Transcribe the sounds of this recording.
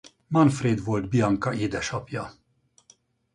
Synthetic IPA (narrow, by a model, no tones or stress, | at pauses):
mɒnfreːd̪vo̞ld̪bijɒŋkɒʔeːd̪ɛʃɒpjɒ